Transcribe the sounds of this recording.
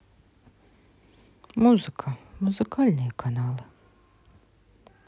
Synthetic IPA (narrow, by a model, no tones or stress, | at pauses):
muzɨkʰamuzɨkaːlʲnʲɪjkʰanaːlˠɨ